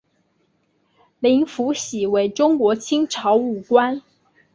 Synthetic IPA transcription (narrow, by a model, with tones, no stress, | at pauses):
li˧˥ŋfu˧˥ɕi˨˩we˧˥ɪʈ͡ʂʊ˥ŋkwɔ˧˥t͡ɕʰi˥ŋʈ͡ʂʰɑ˧˥ʊu˨˩kwa˥n